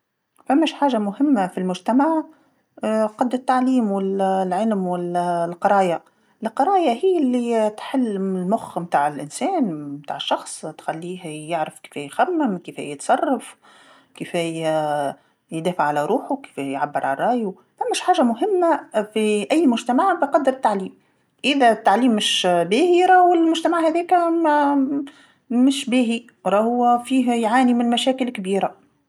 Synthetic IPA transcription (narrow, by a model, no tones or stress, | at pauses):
fæmːæʃħaːʒamʊɦɪmːafilmʊʒt̪amaʕ | qɑd̪ːɪt̪ːaʕliːmwɪllʕɪlmwɪllqɑɾˤɑːja | ʔɪlqɑɾˤɑːjaɦiːlːit̪ħɪlːɪlmʊxmt̪aːʕɪlʔɪnsɛːnmt̪a̰ːʕɪʃːɑxsˤt̪xalːiːɦæjɪʕɾɪfki̥fæjxæmːɪmkifæ̰jət̪sˤɑrˤːɑf | kifɛ | jd̪æːfaʕalæɾˤuːħʊki̥fæjʕabːəɾˤʕalɾˤɑːʔju | fæmːɪʃħaːʒæmʊɦɪmːæfiʔæjːmʊʒt̪æmaʕbɪqɑd̪ːəɾɪt̪ːaʕliːm | ʔɪðæt̪ːaʕliːmːɪʃbæːhiɾˤɑwɪlmʊʒt̪æmaʕhæðɛːk | mɪʃbæːɦi | ɾˤɑːhʊfiːɦjʕaːnimɪnmæʃæːkɪlkbiːɾa